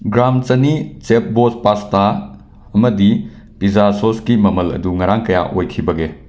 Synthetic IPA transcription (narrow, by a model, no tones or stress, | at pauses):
ɡɾamt͡ʃɐnit͡ʃep̚bospasta | ɐmɐdi | pizasoskimɐmɐlɐ̰duŋɐɾaŋkɐja̰ʔojkʰibɐɡe